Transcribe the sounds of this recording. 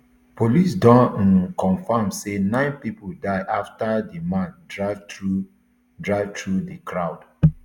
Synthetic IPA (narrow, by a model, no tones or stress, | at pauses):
polisdɔ̃ñnkɔ̃nfamsenãɪ̃npipodaɪʔaftadimãndɹavtɹu | dɹaɪvtɹudəkʰɹaʊd